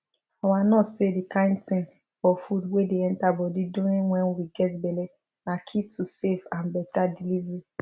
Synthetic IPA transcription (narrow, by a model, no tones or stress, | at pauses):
ɔwanɔsedikãɪ̃ntɪ̃ŋ | fɔfudwedeɛ̃n̩tabɔdidoneŋʷɛnwiɡɛtbele | nakʰitʰusefãnbɛtadilivi